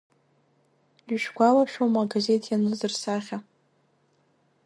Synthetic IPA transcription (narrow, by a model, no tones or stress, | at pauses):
ɥʃᶣɡʷalaʃomaɡaze̞tʰjanɨzɨrsaχʲa